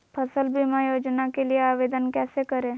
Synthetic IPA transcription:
pʰəsəlbʱimãːjoːd͡ʒnakelieaːʋeːd̪ənkɛːsekəɾẽː

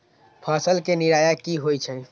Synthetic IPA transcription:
pʰasəlkeniɾajakiɦojt͡ʃʰɛ

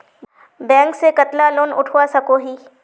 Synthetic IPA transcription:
bɛ̃ːŋksekɐt̪laloːnʔʊ̰ʈʰuasɐkoɦiː

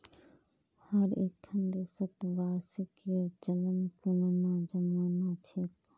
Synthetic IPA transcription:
həɾeːkʰːənd̪eːsət̪ʋaːsiked͡ʒələnkunnãːd͡ʒəmaːnat͡ʃʰet̪

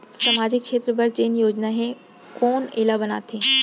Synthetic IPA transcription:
saːmaːd͡ʑɪkʃʰeːt̪ɾəbɐɾd͡ʑeːnjoːd͡ʑnaɦẽ | koːneːlabɐna̰ːt̪ʰeː

